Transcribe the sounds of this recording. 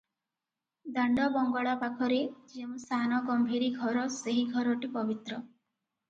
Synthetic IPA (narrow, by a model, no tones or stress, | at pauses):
d̪aɳɖɔbɔŋɡɔɽapakʰɔɾed͡ʒemũsanɔɡɔmbʱiɾiɡʱɔɾɔseɦiɡʱɔɾɔʈipɔbit̪ɾɔ